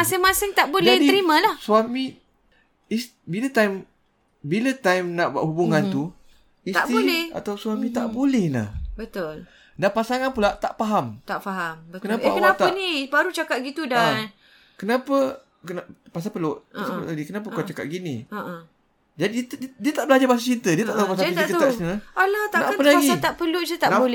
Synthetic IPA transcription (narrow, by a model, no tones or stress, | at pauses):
masɪŋmasɪŋt̪aʔbolɛhtdiəɾimãlahsuamĩ | is | bilət̪ajm | bilət̪ajmnaʔbua̰ʔhubuŋant̪u | isab̪iolɛa̰t̪awswamĩt̪aʔbulɛhna̰hbət̪ol | dapasaŋanpulaʔt̪aʔfaɦamt̪aʔfaɦambəkənapaakəwaapt̪aanibaɾut͡ʃakat̪̚ɡit̪udan | kənapə | kənapas̬apəlʊʔpasal̰ʔlaɡikənap̬əkkat͡ʃakat̪̚ɡini | d͡ʒadit̪diət̪aʔbəlad͡ʒabas̬at͡ʃint̪ədiət̪aʔt̪aɦupasaiikəaʔsnilaalat̪anaʔpənapaɡsiat̪aʔpəlʊʔd͡ʒət̪anbolɛ